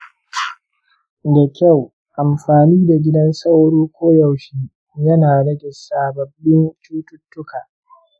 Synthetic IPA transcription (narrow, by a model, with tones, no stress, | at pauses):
da˨kʲɐ˦˨w | ʔa˨mɸaː˨niː˦da˨ɡʲɪ˦dɐ˦nsɐ˦wɽoː˦kʷoː˦ja˨wʃiː˦ | jɐ˦naː˨ɽɐ˦ɡʲɛ˨saː˨bɐ˨bːɪ˦nt͡ʃuː˦tʊ˦tːʊ˦kaː˨